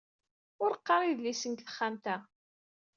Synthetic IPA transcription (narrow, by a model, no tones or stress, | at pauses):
ʊɾqːɑɾˤiðlisənk̪θə̥χːæmt̪æ